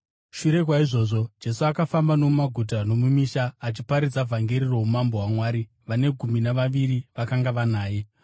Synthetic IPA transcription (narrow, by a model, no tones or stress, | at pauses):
ʃuɾe̞kwaiʐo̞ːʐo̞d͡ʒe̞suakafambano̞umaɡʱut̬ano̞mumiːʃaːt͡ʃipaɾid͡zavʱaŋɡe̞ɾiro̞umambowamwaːɾi | ʋane̞ɡʱuminaʋaʋiɾiʋakaŋɡaʋanaːje̞